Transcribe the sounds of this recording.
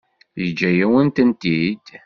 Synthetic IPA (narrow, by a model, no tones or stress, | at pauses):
jəd͡ʒːæjæwənt̪ənt̪id̪